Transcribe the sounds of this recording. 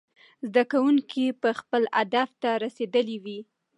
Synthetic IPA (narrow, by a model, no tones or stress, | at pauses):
zd̪akawuŋkipəxpəlad̪aft̪aɾased̪əliwi